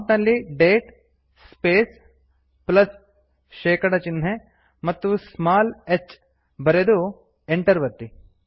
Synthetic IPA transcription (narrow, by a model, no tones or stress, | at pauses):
ʈ̪nɐlːiɖeːʈ | speːs | plɐs | ʃeːkɐɽɐt͡ʃɪne | mɐt̪ːusmaːlet͡ʃ | bɐɾeːd̪u | eɳʈɐɾʋɐt̪ːi